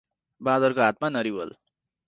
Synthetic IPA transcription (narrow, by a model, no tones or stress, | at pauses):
bad̪ʌrkoɦat̪̚manʌɾibʌ̰l